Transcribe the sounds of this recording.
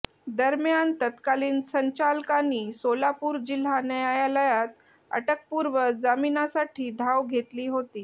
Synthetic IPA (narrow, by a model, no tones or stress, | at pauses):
d̪əɾmjant̪ət̪kaliːnsəɲt͡ɕalkaniːsolapuːɾd͡ʑil̤anəjajaləjat̪̚ | ə̰ʈək̚puɾʋəd͡zaminasaʈʰiːd̪ʱaʋɡʱet̪liːɦot̪iː